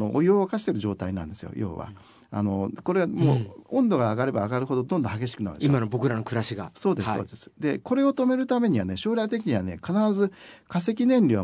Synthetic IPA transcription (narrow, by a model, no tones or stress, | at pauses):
oʔːjoːβakaɕi̥t̪eɾɯ̟ʑo̞ːt̪ainã̰ne̞sɨjo̰jo̞̰ːβa̰ | a̰no̞ko̞ɾe̞βamo̰ːõnd̪o̞ɡaːɡaɾe̞baːɡaɾɯ̟ɦo̞d̪o̞d̪o̞nd̪õhaɡe̞ɕ̬i̥kɯnaɯ̰nimanobo̞kɯ̟ɾano̞kɯ̟ɾaɕiɡaso̞ːd̪esoːd̪e̞sɨ̥d̪e̞ko̞ɾe̞o̞t̪o̞me̞ɾɯ̟t̪ame̞ɲ̟iβane̞ɕo̞ːɾʲat̪̬e̞k̬ʲiɲ̟iβane̞̰kanaɾazɨkas̬e̞kʲinẽ̞nɾʲiβa